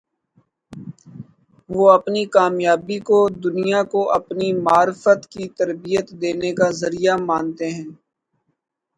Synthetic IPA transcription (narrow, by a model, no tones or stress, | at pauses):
ʋoːɐpnikaːmjaːbikod̪ʊnijakoʔɐpnimaːɾɪfət̪kit̪ɐɾbijət̪d̪eːnekazɐɾijamãːnt̪eɦɛ̃ː